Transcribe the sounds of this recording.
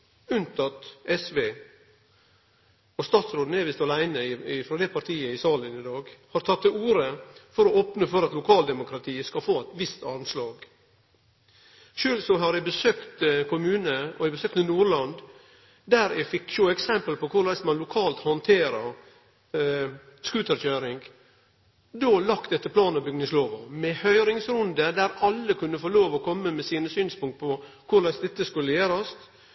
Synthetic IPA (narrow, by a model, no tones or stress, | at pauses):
ʉnt̪ɑt̪ʔɛsʋeː | ɔst̪ɑːt̪sɾoːd̪neːʋɪːst̪ɑlæɪnəɪɪfɾɔd̪ɛpʰɑɾʈ̪ʰiːəɪsɑːlənɪd̪ɑːɡhɑɾt̪ʰɑt̪ʰːɪuːɾəfɔɾɔoːpnəfɔɾɑt̪lʊkʰɑːld̪ɛmʊkɾɑt̪ʰiːəskɑfoːæt̪ʋɪst̪ɑɾmslɑːɡ | ʃʉːlsɔɦɑɾæbəsøːkt̪kʊmʉːnəɔ̰æɪbəsøːk̪ənuːɾɭɑnd̪ | d̪æːɾɛɡfɪkːʃuːɛksɛmpəlpɔkʰʊɾlæɪsmɑnlʊkʰɑːlt̪hɔnt̪ʰeːɾəɾ | skʉːt̪əɾçøːɾɪŋɡ | d̪oːlɑkt̪d̪ɛt̪ːəpʰlɑːnɑbʏɡnɪŋsloːʋɑmɛhœʏɾɪŋsɾʊnd̪əd̪æɾɑlːəkʰʉnːəfoːloːʋɔkʰɔmːəmɛsiːnəsyːnspʊŋkt̪̚pʰɔkʰʊɾɭæɪsd̪ɛt̪ːəskʉlːəjeːɾɑst̪